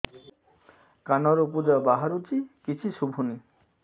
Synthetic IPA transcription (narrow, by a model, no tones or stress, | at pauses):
kanɔɾop̬ud͡ʑabaɦaɾut͡ɕikit͡ɕʰiʃubʱuni